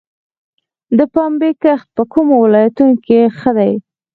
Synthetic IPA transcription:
d̪əpɑmbekaxt̪̚pəkumowɪlɑjat̪unkexəd̪aj

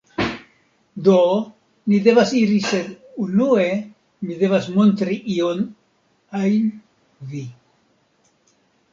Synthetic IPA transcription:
d̪o | nid̪e̞vasiɾise̞d̪ | unue̞ | mid̪e̞vasmont̪ɾiʔio̞n | ajn | vi

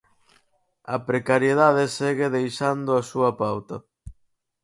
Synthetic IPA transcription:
ɐ̰pɾekaɾjeðaðeseɣeðejʃand̪ʊɐsuɐpawt̪ɐ

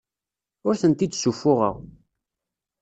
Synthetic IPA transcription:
ʊɾθənt̪id̪sufːʊʁə̰ʁ

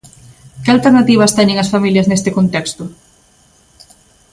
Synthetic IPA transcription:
kɪalt̪eɾnat̪iβ̞ɐst̪ɛɲẽŋɐsfamiljɐznest̪ɪkont̪ɛkst̪ʊ

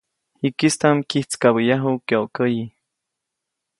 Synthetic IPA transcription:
hikist̪amkiht͡skaβəjaɦukoʔkəji

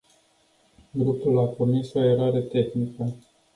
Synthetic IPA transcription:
ɡɾupulapurmiso̞e̞ɾaɾe̞t̪e̞xnikə

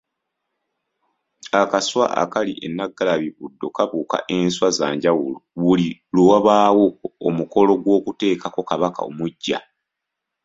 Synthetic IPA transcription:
akaswa̰ʔa̰kaliʔenːaɡːalaβiβudːo̞kaβuːka̰ʔe̞ːnswazaːɲɟawuluβulilowaβaːwokoomuko̞lo̞ɡwo̞ːkute̞ːkako̞kaβaka̰o̰muɟːa̰

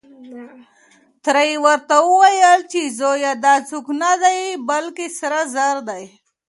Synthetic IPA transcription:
t̪ɾaiwəɾt̪awuwajəlt͡ʃezojad̪at͡suknad̪ajbalkesaɾazaɾd̪aj

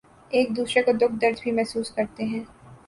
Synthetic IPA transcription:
eːk̚d̪uːsɾekod̪ʊk̚ʰd̪ɐɾd͡ʒbʱimɛɦsuːskɐɾt̪eɦɛ̃ː

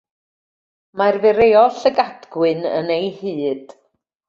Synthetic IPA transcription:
marvɛɾejɔɬəɡadɡwɨnə̰nejhɨːd̥

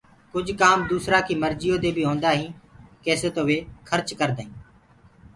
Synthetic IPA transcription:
kʊd͡ʒʱkaːmd̪uːsɾaːkʰiːməɾd͡ʒɪjoːd̪eːbʱiːɦoːnd̪aːɦĩːkeːsət̪oʋeːkʰəɾt͡ʃkəɾd̪aːĩː

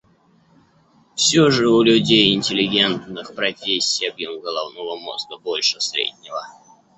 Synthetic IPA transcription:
fsʲoʐɨʊlʲʊdʲejɪnʲtʲɪlʲɪɡʲe̞nt̪nɨxpɾɐfʲesʲːiɐbjomɡəlˠavnulˠəmo̰sɡəbolʲʂɨsɾʲḛdʲnʲɪvə

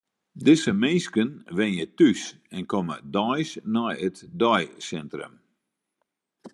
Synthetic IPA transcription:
dɪsəmeːskənʋɪnjətys | ɛnkɔmə̰dɔjsnɔjətdɔjsɛntrə̰m

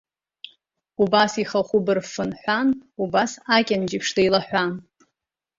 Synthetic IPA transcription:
ubasiχaχʷʊbɨrfɨnħʷanubasakʲʼand͡ʒipʰʂdejlaħʷan

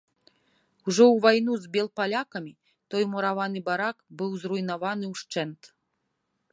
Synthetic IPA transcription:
uʐɔwvajn̪uzbʲɛlˠpalʲakɐmʲi | t̪ɔjmɔɾavanɨbaɾakbɨwzrujnavanɨwʂt͡ʂɛnt̪

